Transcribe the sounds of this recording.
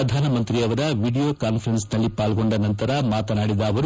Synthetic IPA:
ɐd̪ʱaːnɐmɐnt̪ɾiɐʋɐɾɐʋiːɖijo̞ːkaːnpʰɐɾensnɐlːipaːlɡo̞ɳɖɐnɐnt̪ɐɾɐmaːt̪ɐnaːɽid̪ɐːʋɐɾ

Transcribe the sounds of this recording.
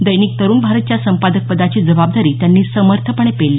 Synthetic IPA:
d̪əjniːk̚t̪əɾuːnbʱaɾət̪̚t͡ɕjasəmpad̪ək̚pəd̪at͡ɕiːd͡zəbab̚d̪aɾiːt̪janːiːsəməɾt̪ʰəpəɳ̃epelːiː

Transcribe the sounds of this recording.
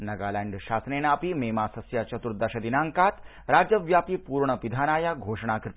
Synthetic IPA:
nɐɡaːlɛːɳɖʃaːsneːnaːpimeːmaːsɐsjat͡ʃɐt̪uɾd̪ɐʃɐd̪inaːŋkaːt̪ | ɾaːd͡ʒjəʋjaːpipuːɾɳəpid̪ʱaːnaːjaɡʱoːʂɳ̃aːkɾɪt̪

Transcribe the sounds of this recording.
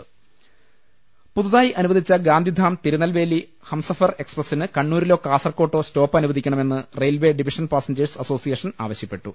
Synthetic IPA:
puðuðaːjiʔɐnuʋɐd̪it͡ɕːɐɡaːnd̪ʱid̪ʱaːmt̪iɾunːɐlʋe̞ːli | hɐmsɐfɐre̞ksprɐsinɨkɐɳːuːɾilo̞ːkːaːsɐrko̞ːʈːo̞ːsto̞ːpːɐɐnuʋɐðʱikʲːɐɳɐme̞nːɨrejlʋe̞ːɖiʋiʂɐnpaːsɐɲd͡ʑɐrsɐso̞ːsijeʂɐna̰ːʋɐɕjɐpːe̞ʈːu

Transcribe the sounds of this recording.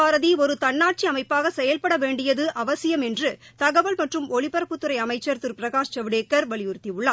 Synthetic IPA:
aːɾɐðiɔɾɯt̪ɐɳːaːʈ̚t͡ʃiɐmɐɪpːaːɣɐsɛjɐlpɐɽɐʋeːɳɖɪjɐðɯʔɐʋɐsɪjɐmɛndrɯt̪ɐɣɐʋɐlmɐʈrɯmɔɭɪpɐɾɐpːɯt̪ːɯɾɐɪɐmɐɪt͡ʃːɐɾt̪ɯɾpɪɾɐɣaːʂt͡ʃɐʋɪɽeːkːɐɾʋɐɭɪjɯɾɯt̪ːiʊɭːaː

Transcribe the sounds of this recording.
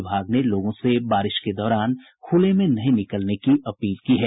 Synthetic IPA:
bʱaːɡneloːɡõsebaːɾɪʃked̪ɔːɾaːn | kʰuːlemẽnɐɦĩnɪkəlnekiɐpiːlkiɦɛː

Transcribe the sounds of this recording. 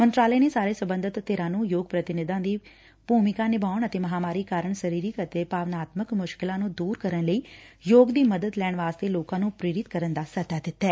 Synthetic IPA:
mə̃nt̪ɾaːleːneːsaːɾeːsəbə̃nd̪ʱət̪ːeːɾãːnũːjoːɡpɾət̪ɪnɪd̪ãːd̪iː | buːmɪkãːnɪbʱaːʋəɳ̃ət̪eːməɦaːmaːɾiːkaːɾəɳsəɾiːɾiːkət̪eːpaːʋnaːt̪məkmʊʃkɪlãːnũːd̪uːɾkəɾəɳləiːjoːɡd̪iːməd̪əd̪lɛːɳ̃ʋaːst̪eːloːkãːnũːpɾeːɾɪt̪kəɾənd̪aːsət̪aːd̪ɪt̪ːɛː

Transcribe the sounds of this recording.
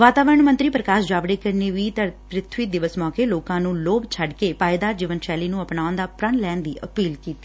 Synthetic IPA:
ʋaːt̪aːʋəɾəɳmə̃nt̪ɾiːpɾəkaːʃd͡ʒaːbɽeːkəɾneːʋiːt̪əpɾɪt̪ʰʋiːd̪ɪʋəsmɔ̃ːkeːloːkãːnũːloːbt͡ʃʰəɖkeːpaːɪd̪aːd͡ʒɪʋənʃɛːliːnũːəpnaːʊnd̪aːpɾənlɛːnd̪iːʔəpiːlkiːt̪iː

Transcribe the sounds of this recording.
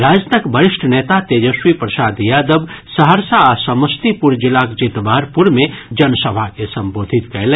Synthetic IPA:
ɾaːd͡ʒnəkbəɾɪʃʈʰənet̪at̪eːd͡ʒəʃwipɾəsaːd̪jaːd̪əbsəɦəɾsaːsəməst̪ipuɾd͡ʒilakd͡ʒit̪bʱaɾpuɾmẽd͡ʒənsəbʱakesɐmboːd̪ʱit̪kɐle

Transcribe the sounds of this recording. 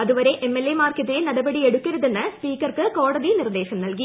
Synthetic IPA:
ɐðɯʋɐɾeʔɛmːelːemaːrkɐt̪ːɪlenɐɽɐbɐɽiɛɽɯkːɐɾɐðenːɐspiːkɐrkɨkoːɽɐðinɪrd̪eːɕɐmnɐlɡi

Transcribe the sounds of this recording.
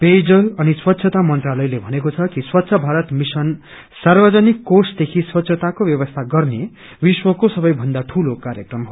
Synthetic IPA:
ped͡zʌlʌniswʌt̪ːɕʰʌt̪amʌnt̪ralʌjlebʱʌnekot͡sʰʌkiswʌt̪ːsʰʌbʱaɾʌt̪misʌn | sarbʌd͡zʌnikːosd̪ekʰiswʌt̪ːsʰʌt̪akobjʌbʌst̪ʰaɡʌrne | biswʌkosʌbʌjbʱʌnd̪aʈʰulokaɾjʌkrʌmɦo

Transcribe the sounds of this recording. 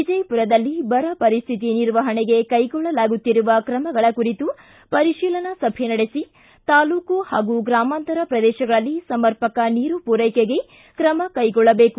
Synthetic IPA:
id͡ʒɐjpuɾɐd̪ɐlːibɐɾɐpɐɾist̪ʰit̪iniɾʋɐɦɐɳeɡe̞kɐjɡɔɭːɐlaːɡut̪ːiɾuʋɐkɾɐmɐɡɐɭɐkuɾit̪u | pɐɾiʃiːlɐnɐsɐbʱenɐɽesi | t̪aːluːkuhaːɡuɡɾaːmaːnt̪ɐɾɐpɾɐd̪ɛːʃɐɡɐɭɐlːisɐmɐɾpɐkɐniːɾupuɾɐjkeɡe̞ | kɾɐmɐkɐjɡɔɭːɐbeːku

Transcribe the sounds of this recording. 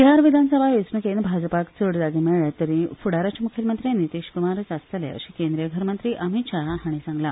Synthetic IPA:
ɦaɾʋid̪ʱansəbʱaʋesnukenbʱad͡ʑpakt͡səɽd̪aɡ̪imiɭɭat̪əɾĩfuɽaɾat͡ɕamukʰelmənt̪ɾijnit̪iɕkumaɾət͡sast̪əlḛə̰ɕiːkẽnd̪ɾijəɡʱəɾmənt̪ɾiʔəmiɕaɦɦaɽ̃isãŋɡla

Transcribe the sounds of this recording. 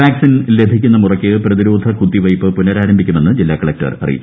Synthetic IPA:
ʋaːksinle̞b̪ʱikʲːunːɐmurɐkʲːɨprɐðiɾo̞ːd̪ʱɐkut̪ːiʋɐjpːɨpunɐɾaːɾɐmbʱikʲːumenːɨd͡ʑilːaːkːɐɭɐk̚ʈɐ̰rɐ̰rḭjḭt͡ɕː

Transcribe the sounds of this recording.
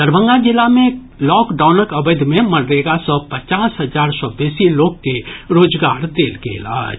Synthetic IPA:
d̪əɾbʱə̃ŋɡad͡ʒɪlːamẽ | lɔːkɖaːʊnəkəbəd̪ʱmẽməɽɾeːɡasɔpət͡ʃaːsɦəd͡ʒaːɾsɔbesiloːɡkeɾoːd͡ʒɡaːɾd̪eːlkḛla̰ːd͡ʒ

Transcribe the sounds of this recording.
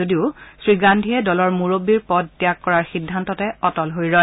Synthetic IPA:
odiʊsɹiɡandʱiɛdɔlɔɹmuɹobiɹpɔd̚ːijakːɔɹaɹxidʱːantɔtɛɔtɔlɦojɹɔj

